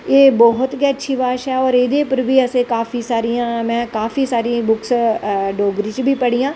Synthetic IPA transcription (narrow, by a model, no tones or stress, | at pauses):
eːbɔɦʊt̪ɡɛːətːʃʰiːbaːʃɛːɔːɾed̪eːpəɾbiːəsẽːkaːfʰiːsaːɾijãːmɛ̃ːkaːfiːsaːɾiːbʊksɖoːɡɾiːt͡ʃbʱiːpəɽiːjãː